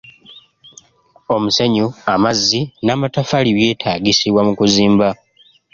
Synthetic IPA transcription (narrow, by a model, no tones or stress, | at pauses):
o̞museɲuamazːinamatafaliβje̞ːtʰaːɡisiβwamukuziːmba